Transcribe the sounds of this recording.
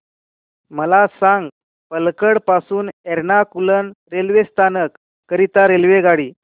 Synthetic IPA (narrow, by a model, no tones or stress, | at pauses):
məlasãŋɡ | pəlkəɽpasuːneɾnakulənɾelʋest̪ʰanəkː | əɾit̪aɾelʋeɡaɽiː